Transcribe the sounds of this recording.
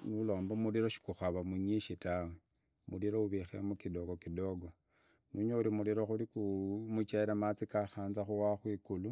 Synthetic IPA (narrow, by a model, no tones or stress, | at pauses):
nulo̞ːmbamuliɾoʃi̥kuxaβamuɲiʃitawe | muliɾouβixeamukido̞ɡokido̞ɡo̞ | nuɲeuɾimuliɾoxulikumut͡ʃaiɾamat͡sikaxaːnzaxuwaxwikulu